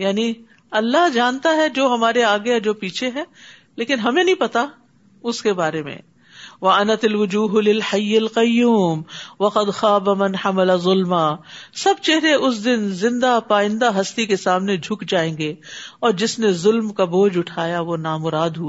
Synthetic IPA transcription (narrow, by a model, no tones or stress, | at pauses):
jaːni | ɐlːaɦd͡ʒaːnt̪aɦɛd͡ʒoːɦɐmaːɾeaːɡɪjad͡ʒoːpiːt͡ʃʰeɦɛ̃ː | leːkɪnɦɐmẽnɐɦĩpɐt̪a | ʊskebaːɾemḛ̃ | ʋɐɐnɐt̪ɐlʋʊd͡ʒuːɦʊlɪlħajːɐlqɐjːuːmʋɐqɐd̪xaːbamɐ̃nħamɪlazʊlmaːsɐb̚t͡ʃɛɦɾeʔʊs̬d̪ɪnzɪ̃nd̪apaːɪ̃nd̪aɦɐst̪ikesaːmned͡ʒʱʊkd͡ʒaːẽːɡeɔːɾd͡ʒɪsnezʊlmkaboːd͡ʒʊʈʰaːjaʋonaːmʊɾaːd̪ɦua